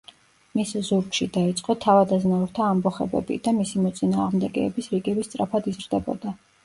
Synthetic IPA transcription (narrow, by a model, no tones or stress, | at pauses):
miszuɾkʃid̪ait̪sʼqʼɔt̪ʰavad̪aznaɔɾt̪ʰaːmbɔχɛbɛ̰bḭd̪amisimɔt̪sʼinaːʁmd̪ɛɡɛːbisɾiɡɛbist̪sʼɾapʰad̪izɾd̪ɛbɔ̰d̪a